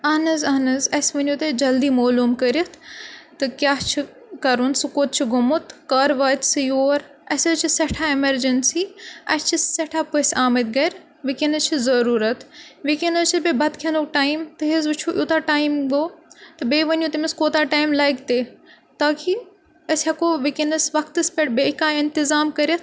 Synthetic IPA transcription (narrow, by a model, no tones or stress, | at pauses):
ɐːnɐzɐːnɐzɐsʋɐnjut̪ed͡ʒɐld̪iːmoːluːmkɐɾit̪ʰt̪ɐkʲjaːɦt͡ʃʰi | kɐɾunsukoːt̪̚t͡ʃʰiɡʱʊmot̪kaːɾʋaːt̪sɨjoːɾ | ɐset͡ʃʰiseʈʰaːemɐɾd͡ʒɐnsiɐ̰st͡ʃʰiseʈʰapːɐsaːmɐt̪̚ɡɐɾ | ʋikinɐt͡ʃʰizɐɾuːɾɐt̪ʋikinɐt͡ʃʰibebɐt̪kʰʲɐnukʈaːimt̪ɨɦezut͡ʃʰuʔjuːt̪aʈaːimɡoːt̪ɨbeːʋɐnjuːt̪imiskoːt̪aʈaːimlɐːjkt̪eː | t̪aːki | ɐshɐkoːʋikinɐsʋɐkt̪ɨspʲeʈbeɪkaːɪnt̪izaːmkɐɾjɐt̪